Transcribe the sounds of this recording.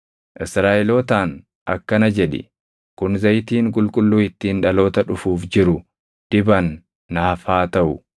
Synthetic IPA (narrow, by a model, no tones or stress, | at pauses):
ʔɪsɾaːʔɛlo̞ːt̪aːn | ʔɐkːɐnɐd͡ʒɛᶑɪ̰ | kʊnzɐjt̪iːŋkʼʊlkʼʊlːuːɪt̪ːiːnᶑɐlo̞ːt̪ɐᶑʊfuːfd͡ʒɪɾʊ | d̪̥ɪbɐnː | ɐhɐfaːt̪ɐʔʊ